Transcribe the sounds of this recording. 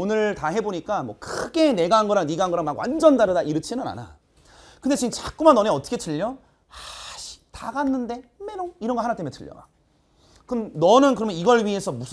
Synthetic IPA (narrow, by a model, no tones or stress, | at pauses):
onɯɭtaɦe̞boɲik͈amwʌkʰɯɡe̞ne̞ɡanɡʌɾaŋniɡanɡʌɾaŋmaɡwa̰nd͡ʑʌndaɾɯdaiɾɯt͡ɕʰinɯna̰na̰ | kɯndet͡ɕiɡɯmt͡ɕak͈umanːʌneʌt͈ʌ̥kʰetʰɯʎːʌ | aɕʰi̥taɡanːɯnde̞menoiɾʌnɡʌhanat͈emjetʰɯʎːʌ̰ma̰k̚ | kɯmnʌnɯnkɯɾʌmjʌniɡʌɭɥie̞sʰʌmusʰ